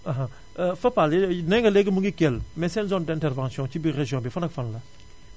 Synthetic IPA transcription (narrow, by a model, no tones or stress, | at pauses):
ãɦã | fɐpalnɛ̃ɡɐleɡəmũŋɡikɛlmɛsɛ̃nzɔ̃ndɛ̃ntɛɾvãnsijɔ̃t͡ʃibiɾeʒjɔ̃bifɐnakfɐnla